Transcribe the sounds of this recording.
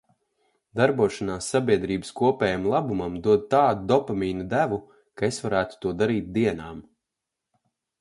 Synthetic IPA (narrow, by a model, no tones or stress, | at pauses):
d̪aɾbuɔʃanaːsːabʲiɛd̪ɾiːbəskuɔpʲɛːjamlˠabumamd̪uɔd̪̚t̪aːd̪ud̪ɔpamiːnud̪ævu | kaesvaɾæːt̪u̥t̪uɔd̪aɾiːt̪̚d̪iɛnaːm